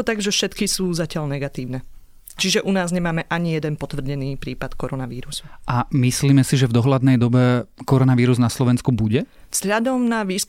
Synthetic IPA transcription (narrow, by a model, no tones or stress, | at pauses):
ɔt̪aɡʒɛfʃɛt̪kisuːzacɪaʎnɛɡat̪iːʊnɛ | t͡ʃiʒɛʔunaːzɲɛmaːmɛʔaɲijɛd̪ɛnpɔt̪ʋr̩ɟɛniːpɾiːpat̪kɔɾɔnaʋiːɾusu̥ʔamisliːmɛsiʒɛvd̪ɔɦlad̪nɛjd̪ɔbɛkɔɾɔnaʋiːɾuznaslɔʋɛnskubuɟɛvz̥ɦʎad̪ɔmnaʋiːsk